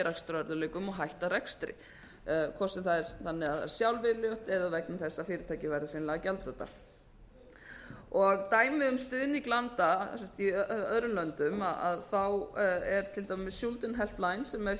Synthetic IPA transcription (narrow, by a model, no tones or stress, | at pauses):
ɾɛkst̪ɾœɾðʏlɛːkʏmɔɣɦajht̪aɾɛkst̪ɾɪ̰ | kʰɔsɛmθaðɛɾθanːɪaðθaðɛ̰ɾ̥sjawlvɪðljɔwht̪ɛðavɛknʏmθɛsːafɪːɾɪt̪ʰaːjcɪvɛɾðɪfɪnlɛɣacɛlt̪ɾœwt̪a̰ | ɔɣt̪aːjmɪʏmst̪ʏːðɪniklant̪asɛmst̪iœðɾʏlœnt̪ʏmaaðθawɛɾ̥t̪ʰɪlt̪ammɪssjult̪ʏnɦɛl̥plajnsɛmɛɾ̥